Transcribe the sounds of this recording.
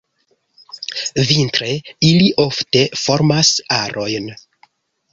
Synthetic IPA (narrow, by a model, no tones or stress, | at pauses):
vintɾe̞iliʔo̞fte̞fo̞ɾmasaɾʔo̞jn